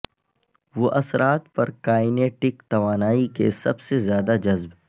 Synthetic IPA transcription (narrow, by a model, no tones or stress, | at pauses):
ʋoʔɐsɾʔaːt̪pɐɾkaːɪneːʈɪkt̪ɐʋaːnaːikḛsɐbsezjaːd̪ad͡ʒɐzb